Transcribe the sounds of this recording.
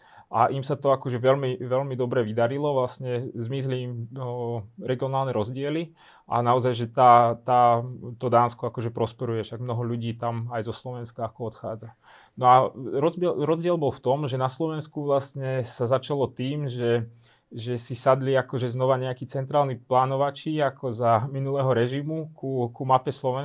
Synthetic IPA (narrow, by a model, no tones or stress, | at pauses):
ʔaʔimsat̪ɔakɔʒɛʋɛlmiʋɛʎmid̪ɔbɾɛʋid̪aɾilɔʋlasɲɛzmizliːm | ɾɛɡiɔnaːlnɛɾɔzɟɪɛli | ʔa̰naɔzajʒɛt̪aːt̪aːt̪ɔd̪aːnskɔakɔʒɛpɾɔspɛɾujɛfʃaɡmnɔɦɔʎuɟiːt̪amajzɔslɔʋɛnskaakɔɔt̪xa̰ːd͡za | nɔaɾɔɛɾɔzɟɪɛlbɔlft̪ɔmʒɛnaslɔʋɛnskuʋlastɲɛsazat͡ʃalɔt̪iːmʒɛ | ʒɛsisad̪liakɔʒɛznɔʋaɲɛakiːt͡sɛnt̪ɾaːlniplaːnɔʋat͡ʃiakʰɔzaminulɛːɦɔɾɛʒimukukumapɛslɔʋɛ